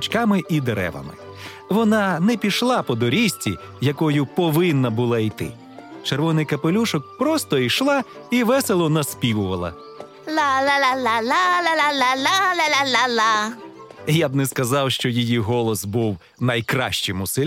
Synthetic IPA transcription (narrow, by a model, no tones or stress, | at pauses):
t͡ʃkɑmɪʔid̪eɾɛ̰ʋɐ̰mɪ̰ | ʋɔnɑnɛpʲiʃlˠɑpɔd̪ɔɾʲisʲtʲḭ | jɐkɔjʊpɔʋɪnːɐbʊlˠɑijt̪ɪ̰ | t͡ʃeɾʋɔnɪjkɐpelʲuʃɔk̚pɾɔst̪ɔiʃlˠɑ | iʋɛselˠɔnɐspʲiwʊʋɐlˠɐ̰ | lallalalalalaalala | jab̚nɛskɐzɑwʃt͡ʃɔjijiɦɔlˠɔsbuw | nɐjkɾɑ̰ʃt͡ʃɪmʊsɪlʲ